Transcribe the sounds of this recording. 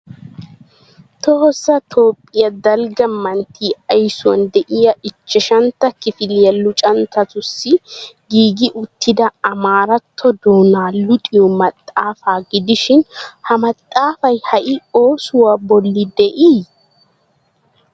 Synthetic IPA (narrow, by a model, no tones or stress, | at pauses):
t̪ɔhɔsːɐt̪ʰo̞ːpʼːɪjɐd̪ɐlɡɐmɐnt̪ːiːɐjsʊwɐ̰nd̪ɛʔɪjɐɪt͡ʃːɛʃɐnt̪ːɐkɪfɪljɐlːʊt͡ʃʼɐnt̪ɐtʊsːɪɡiːɡɪʔʊt̪ʰːɪd̪ɐɐmaːɾɐt̪ʰːɔd̪oːnaːlʊt̪ʼɪjɔmɐt̪ʼːaːfaːɡɪd̪ɪʃɪnhɐmɐt̪ʼːaːfɐjhɐʔɪo̞ːsʊwaːbɔlːɪd̪ɛʔiː